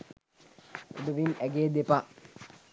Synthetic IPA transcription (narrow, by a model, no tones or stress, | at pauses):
o̰d̪əʋinæɡeːd̪epa